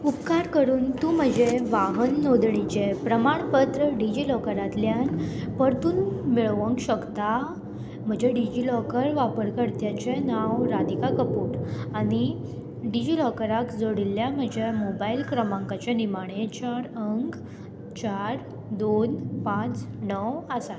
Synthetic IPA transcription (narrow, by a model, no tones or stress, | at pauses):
upkaɾkəɾuːnt̪ũːm̤əd͡ʑeʋaɦənːod̪ɳit͡ɕepɾəmaɳpət̪ɾəɖid͡ʑilɔkəɾat̪ljanpəɾt̪uːnmiɭʋəŋkɕəkt̪a | m̤əd͡ʑeɖid͡ʑilɔkəɾʋapəɾkəɾt̪jat͡ɕenawɾad̪ikakəpuʈaɽ̃i | ɖid͡ʑilɔkəɾakd͡zoɽiljam̤əd͡ʑʱemobailkɾəmãŋkat͡ɕanimaɽ̃et͡ɕaɾəŋk | t͡ɕaɾ | d̪onpãt͡snəwəsat̪